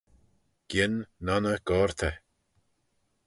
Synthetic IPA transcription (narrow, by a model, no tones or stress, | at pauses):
ɡ̥ɪnːɔnəɡ̥ɔːɹt̪ʰɛ